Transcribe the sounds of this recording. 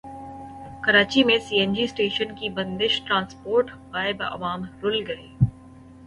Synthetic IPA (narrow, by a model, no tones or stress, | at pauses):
kɐɾaːt͡ɕimẽsiːend͡ʒiːsʈeːʃənkibɐ̃nd̪ɪʃʈɾãːnspoːɾʈbaːɪbɪʔɐ̰ʋaːmɾʊlɡɐeː